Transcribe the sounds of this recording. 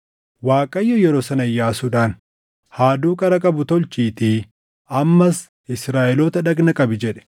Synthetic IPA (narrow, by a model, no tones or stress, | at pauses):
waːkʼɐjːɔjɛɾoːsɐnɐjːaːsuᶑaːn | haːd̪uːkʼɐɾɐkʼɐbʊt̪ɔlt͡ʃiːt̪ɪ | ʔɐmːɐs | ɪsɾaːʔɛloːt̪ɐᶑɐɡnɐkʼɐbɪd͡ʒɛᶑɛ̥